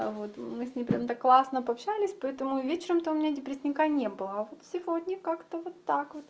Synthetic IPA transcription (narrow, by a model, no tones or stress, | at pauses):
vo̞t̪mɨsʲnʲempɾʲamt̪akːlˠasnəpɐɐpɕælʲɪsʲpɐɛt̪əmʊvʲet͡ɕɪɾəmt̪oʊmʲɪnʲadʲɪpɾʲɪsʲnʲɪkanʲebɨlˠəvot̪fsʲɪvo̞dʲnʲəkakt̪əvot̪ːakvot̪